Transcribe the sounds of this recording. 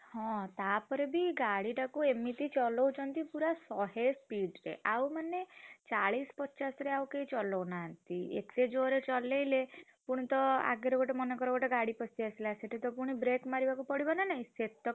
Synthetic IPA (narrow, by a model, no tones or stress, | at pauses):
hɔ̃t̪apɔɾebiɡaɽiʈakuemit̪it͡ʃɔlɔwt͡ʃʰɔnt̪ipuɾasɔɦespiɖɾḛʔawmanet͡ʃaɭispɔt͡ʃasɔɾeawkeit͡ʃɔlɔwnaɦant̪iḛksed͡ʒoɾet͡ʃɔlejle | puɽ̃it̪ɔa̰ɡeɾɔɡɔʈɔmɔnɔkɔɾɔɡɔʈɔɡaɽipɔsiasilaseʈit̪ɔpuɽ̃ibɾekmaɾibakupɔɽibɔnanaɦĩset̪ɔ